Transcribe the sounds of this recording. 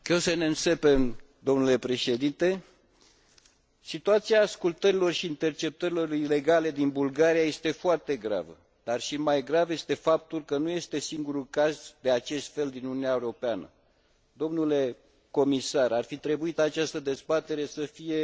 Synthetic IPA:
kewsəneɨnse̞pem | d̪o̞mnule̞pɾe̞ʃe̞d̪int̪e̞ | sit̪uat̪siaːskult̪əɾilo̞rʃiːnt̪e̞rt͡ʃe̞p̚t̪əɾilo̞rile̞ɡale̞d̪inbulɡaɾijaje̞st̪e̞foart̪e̞ɡɾa̰və̰ | d̪arʃimajɡɾavje̞st̪e̞fap̚t̪ulkənuje̞st̪e̞siŋɡuɾulkazd̪eat͡ʃe̞st̪fe̞ld̪inununʲaeuɾo̞peanə̰ | d̪o̞mnule̞ | ko̞misaɾarfit̪ɾe̞buit̪at͡ʃast̪əd̪e̞zbat̪e̞ɾe̞səfije̞

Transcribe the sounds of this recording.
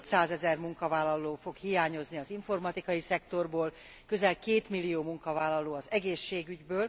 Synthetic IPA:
t̪saːzɛzɛrmuŋkɒvaːlːɒloːfo̞khijaːɲo̞zniɒziɱfo̞rmɒt̪ikɒjisɛkt̪o̞rboːl | kø̞zɛlkeːt̪milːijoːmuŋkɒvaːlːɒloːɒzɛɡeːʃːeːɡyɟbøːl

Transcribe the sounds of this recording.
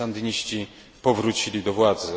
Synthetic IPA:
and̪ɘɲiɕt͡ɕi | pɔvɾut͡ɕilʲid̪ɔvwad̪zɘ

